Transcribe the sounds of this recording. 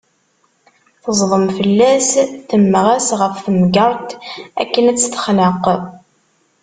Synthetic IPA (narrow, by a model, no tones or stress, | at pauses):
θəzˤðˤəmfəlːæsθəmːəʁæsʁəfθəmɡəɾˤt̪æ̰kːənæt͡sːθə̥χnəq